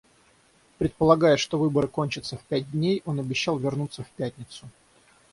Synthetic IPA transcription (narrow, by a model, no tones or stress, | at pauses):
pɾʲɪt̪̚pəlˠɐɡajʊʂt̪o̞vɨbəɾɨkonʲt͡ɕɪt̪səfpʲæt̚ʲdʲnʲejo̞nɐbʲɪɕːalˠvʲɪrnut̪səfpʲætʲnʲɪt̪sʊ